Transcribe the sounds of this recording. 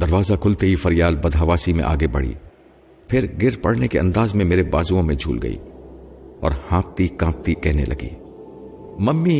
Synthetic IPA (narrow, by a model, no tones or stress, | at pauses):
d̪ɐɾʋaːzakʰʊlt̪eɦifɐɾijaːlbɐd̪ʱaːʋaːsimḛ̃ʔa̰ːɡebɐ̰ɽḭː | pʰɪɾɡɪɾpɐɽnekeɐ̃nd̪aːzmẽmeːɾebaːzuõmẽd͡ʒʱṵːlɡɐ̰ḭː | ɔ̰ːɾhãːp̚t̪ikãːp̚t̪ikɛɦnḛlɐ̰ɡḭː | mɐmːi